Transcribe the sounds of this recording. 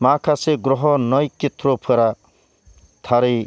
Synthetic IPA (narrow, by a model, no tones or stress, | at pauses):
makʰaseɡrɔɦɔnʌjket̪ropʰeɾa | t̪ʰaɾʌj